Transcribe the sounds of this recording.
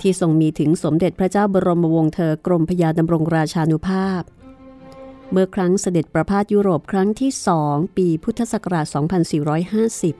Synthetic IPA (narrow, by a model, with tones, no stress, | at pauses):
t̪ʰiː˥˩so˨˩ŋmiː˧t̪ʰɯ˩˦ŋso˩˦mde˨˩t̪̚pʰɾa˦˥t͡ɕaː˥˩wbɔː˧ɾo˧mo˧wo˧ŋt̪ʰɤː˧kɾo˧mpʰa˧jaː˧da˧mɾo˧ŋɾaː˧t͡ɕʰaː˧nu˦˥pʰaː˥˩p̚ | bɯ˥˩əkʰɾa˦˥ŋsa˧de˨˩t̪̚pɾa˧pʰaː˥˩t̪̚juː˦˥˩ɾoː˨˩p̚kʰɾa˦˥ŋt̪ʰiː˥˩sɔː˩˦ŋpiː˧pʰu˦˥t̪ʰːa˧sa˨˩kʰa˧ɾaː˨˩t̪̚sɔː˩˦ŋpʰa˧nsiː˨˩ɾɔː˦˥jhaː˥˩si˨˩p̚